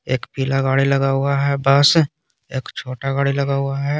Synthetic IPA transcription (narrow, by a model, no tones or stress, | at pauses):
eːkpiːlaɡaːɽilɐɡaɦʊaɦɛbəs | eːkt͡ʃʰoːʈaɡaːɽilɐɡaɦʊaɦɛ